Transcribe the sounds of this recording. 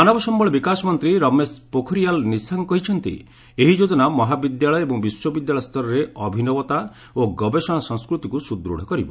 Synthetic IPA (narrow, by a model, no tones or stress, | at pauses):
manɔbɔsɔmbɔɭɔbikasɔmɔnt̪ɾiɾɔmespokʰɔɾijalnisaŋkɔɦit͡ʃʰɔnt̪ḭ | eɦid͡ʒod͡ʒɔnamɔɦabid̪jaɭɔjebɔŋbiswɔbid̪jaɭɔst̪ɔɾɔɾeɔbʱinɔbɔt̪a | oɡɔbesɔɽ̃asɔ̃ŋskɾut̪ikusud̪ɾṵɽ̤ɔkɔɾibɔ